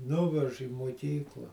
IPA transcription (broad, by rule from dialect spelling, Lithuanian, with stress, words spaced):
ˈnʊʋʲɛʃ iː muɔˈkʲiːklˠɐ